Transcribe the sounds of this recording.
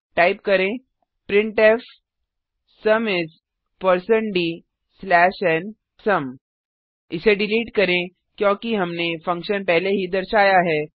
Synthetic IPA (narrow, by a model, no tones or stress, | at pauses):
ʈaːɪp̚kɐɾẽː | pɾɪ̃ɳʈeːf | sɐmɪs | pəɾsənɖiː | slɛːʃɛn | sɐm | ɪseɖɪliːʈkɐɾẽ | kjõːkiɦɐmnefɐ̃ŋkʃənpɛɦleɦid̪ɐɾʃaːjaɦɛː